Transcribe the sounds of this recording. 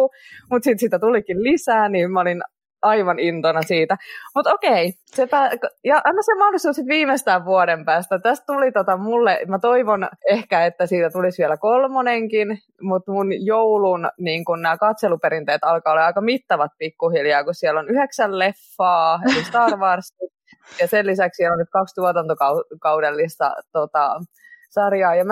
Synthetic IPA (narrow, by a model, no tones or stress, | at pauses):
umut̪sit̪siːt̪æt̪ulikillisæːniːmmæolin | ɑiʋɑnint̪onɑsiːt̪æmut̪okei | sepæːkjɑʔɑnɑsemɑholist̪uːsit̪ʋiːmest̪æːʋʋuoɾempæːst̪æt̪æst̪̚t̪ulit̪ot̪ɑmulːemæt̪oiʋonehkæet̪ːæsiːt̪æt̪ulisʋiɛlækolmoneŋkin | mut̪munjoulunniːŋkunnæːkɑt̪selupeɾint̪eːt̪ɑlkɑːolːeɑikɑmit̪ːɑʋɑt̪̚pikːuhiljɑːkussiɛlːonyheksællefːɑːelist̪ɑːrʋɑrsːit̪ | jɑselːisækssiɛlonnyt̪̚kɑkst̪uot̪ɑnt̪okɑkɑudelːist̪ɑ̰t̪ot̪ɑ | sɑrjɑːjɑm